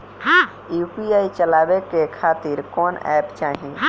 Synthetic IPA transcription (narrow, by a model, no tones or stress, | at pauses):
upiaːit͡ʃəlaːbekekʰaːt̪iɾkɔːnɛ̰ːpt͡ʃaːɦĩ